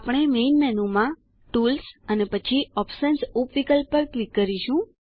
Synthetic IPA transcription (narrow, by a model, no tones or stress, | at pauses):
apɽ̃emenmɛnumã | ʈulsənepət͡ʃʰiɔpsənsupʋikəlpːəɾʈʋikːəɾiʃũ